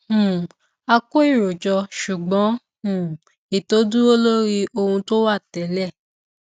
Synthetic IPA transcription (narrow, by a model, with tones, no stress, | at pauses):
hũ˨ | a˧ko˦i˦˨ɾo˨d͡ʒɔ˧ʃu˨ɡ͡bɔ̃˨˦ | ũ˦˨ | i˨to˨˦du˦o˦lo˦ɾi˧ʔo˧hũ˧to˦wa˦˨tɛ˨˦lɛ˦˨